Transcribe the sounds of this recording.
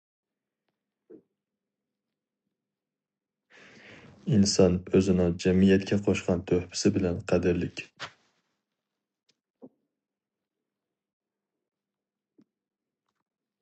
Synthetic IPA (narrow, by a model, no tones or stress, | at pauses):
ɪnsɒnɵzɪnɪŋd͡ʒamijat̪kʰʲaqʰoʃqɑnt̪ʰɵhpʰɪ̥sɪbɪlanqʰɑd̪ɪɾlɪkʲ